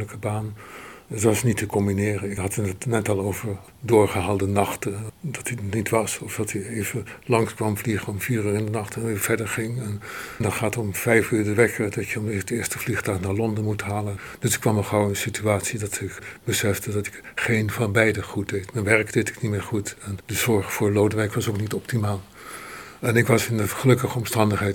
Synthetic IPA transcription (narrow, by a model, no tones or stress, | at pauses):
ləkəbaːnətʋɑsnitəkɔmbinɪːrənɪkɦɑtnətnɛtɑlˠowvəɹ | dʊːɹχəɦaːlˠdənɑχtədɑtinitʋɑsɔfdɑtʰiejvəlɑŋskʋɑmvliχəɔmfiːryːɹɪndənɑχtɛnɪv̥ɛɹdəɹχɪŋɛnndɑtχaːtɔmfɛjfyːdəʋɛkʰədɑtjəɔmedɪːɹstəvliχtɑχnaːɹlɔndəmutɦaːlənd̥ɵsɪ̥kːʋɑməχowənsityaːtsidɑtʰɪkbəsɛfdədɑtɪ̥kχejnvɑnbɛjdəχut̚dejtmɛnʋɛɹkd̥ejtɪ̥knitmɪːɹχutɛndəzɔɹχfʊːɹlowdəʋɛjkʋɑsowknitɔptimaːlˠ | ɛnɪkʋɑsɪndəχəlɵkəχəɔmstɑndəχɦɛj